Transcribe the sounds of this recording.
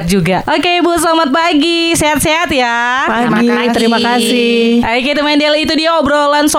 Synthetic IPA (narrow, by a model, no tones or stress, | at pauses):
t̪̚d͡ʒuɡaʔokebut̪slamat̪̚paɡi | seɦat̪̚seɦat̪ja | paɡi | t̪əɾimakasɪʔaket̪umaindɛlit̪udiaobɾolansɔ